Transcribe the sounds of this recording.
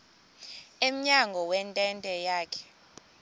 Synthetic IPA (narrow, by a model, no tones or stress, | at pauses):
em̩ɲaŋɡʱɔwɛntʼɛntʼɛjaːkʰɛ̥